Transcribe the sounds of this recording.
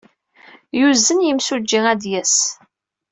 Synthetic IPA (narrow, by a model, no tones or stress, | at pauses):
juzːənjəmsud͡ʒːiæd̪jæs